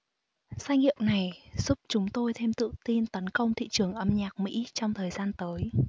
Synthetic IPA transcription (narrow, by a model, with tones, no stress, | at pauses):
zaː˧ŋḭ˧˨əwna˨˩jz̥u˦˥p̚t͡ɕʊ˨˦ŋ͡mt̪o˧jt̪ʰe˧mt̪ɨ̰˧˨t̪i˧nt̪ə˨˦nkə˧wŋ͡mt̪ʰḭ˧˨t͡ɕɨ˨˩əŋʔə˨˩mɲaː˨˩k̚mḭ˧˥t͡ɕɔ˧wŋ͡mt̪ʰəː˨˩jzaː˧nt̪əː˨˦j